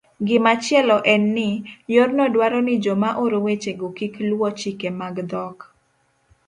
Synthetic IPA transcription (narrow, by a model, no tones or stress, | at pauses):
ɡɪmat͡ʃjɛlɔʔɛnːɪjornɔdwaɾɔnɪd͡ʒomaʔoɾowet͡ʃeɡokiklwɔt͡ʃikemaɡd̪ɔk